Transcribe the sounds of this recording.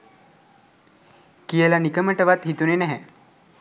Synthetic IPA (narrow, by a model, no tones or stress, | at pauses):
kijəlanikəməʈəʋat̪ɦit̪unenɛɦɛ